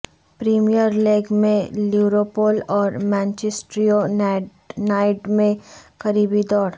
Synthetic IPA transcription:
pɾiːmijəɾleːɡmẽliʋɾopoːlɔːɾmɛ̃ːnt͡ʃesʈɾio | naːɪʈmẽkɐɾiːbid̪ɔːɾ

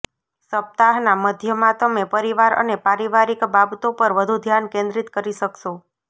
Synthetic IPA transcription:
səp̚t̪aɦnaməd̪ʱjəmãt̪əmepəɾiʋaɾə̰nepaɾiʋaɾikbabt̪opəɾʋəd̪ʱud̪ʱjankẽnd̪ɾit̪kəɾiʃəkʃo

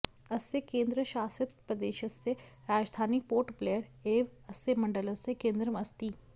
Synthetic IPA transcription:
ɐsekẽːnd̪ɾəʃaːsɪt̪̚pɾɐd̪eːʃɐsːeɾaːd͡ʒd̪ʱaːnipoːɾʈpleːəɾeːʋɐsemɐ̃ɳɖəlɐsekẽːnd̪ɾəmɐst̪iː

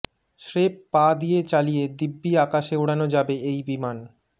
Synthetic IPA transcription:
ʃɾepːad̪ijet͡ɕalijed̪ibːiakaʃeoɽanod͡ʑabeejbiman

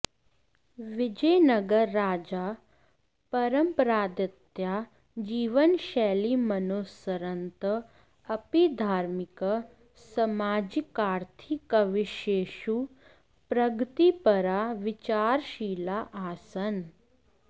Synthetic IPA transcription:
ʋɪd͡ʒəjnɐɡəɾːaːd͡ʒaː | pɐɾəmpəɾaːd̪ɐt̪ja | d͡ʒiːʋənʃɛːlimɐnoːsəɾɐnt̪ə | ɐpid̪ʱaːɾmɪkə | sɐmaːd͡ʒikaːɾt̪ʰikəʋɪʃeːʃu | pɾɐɡʱt̪ipɐɾaʋɪt͡ʃaːɾʃiːlaʔaːsɐn

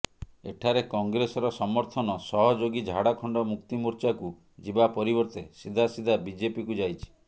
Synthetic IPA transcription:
ḛʈʰaɾekɔŋɡɾesɔɾɔsɔmɔɾt̪ʰɔnɔsɔɦɔd͡ʒoɡid͡ʒʱaɽakʰɔɳɖɔmukt̪imuɾt͡ʃaku | d͡ʒibapɔɾibɔɾt̪esid̪ʱasid̪ʱabid͡ʒepikud͡ʒajt͡ʃʰi̥

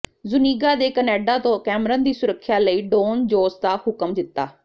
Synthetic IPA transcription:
zʊniːɡaːd̪eːkənɛːɖaːt̪õːkɛːmɾəːnd̪iːsʊɾəkʰːjaːləiːɖoːnd͡ʒoːsd̪aːhʊkəmd̪ɪt̪ːaː

